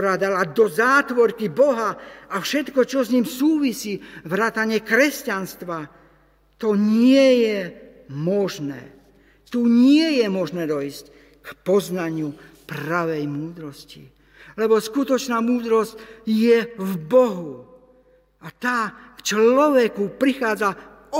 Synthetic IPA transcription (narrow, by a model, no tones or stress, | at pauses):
ɾad̪alad̪ɔzaːt̪ʋɔɾkibɔɦaafʃɛt̪kɔt͡ʃɔzɲiːmsuːʋisiːʋɾaːt̪aɲɪɛkɾɛscanst̪ʋa | t̪ɔɲɪɛjɛ | mɔʒnɛ̰ː | t̪uːɲɪɛjɛmɔʒnɛːd̪ɔisc | kpɔznaɲɪu | pɾaʋɛjmuːd̪ɾɔscḭ | lɛbɔskut̪ɔt͡ʃnaːmuːd̪ɾɔscjɛvbɔɦu | at̪aːkt͡ʃlɔʋɛkupɾixaːd͡za | ɔ